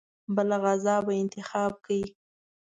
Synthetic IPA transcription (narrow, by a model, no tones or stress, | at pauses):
bəlaɣazɑbaɪnt̪ɪxɑb̚kawi